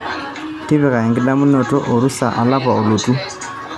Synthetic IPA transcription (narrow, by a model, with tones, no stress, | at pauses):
ti˦βɛ˨ka˨i˨ŋɡi˦la˦mu˦nɔ˨tɔ̰˦ʔo˨ɾu˦sa˨ʔa˨la˦pa˨o˨lu˨tu˦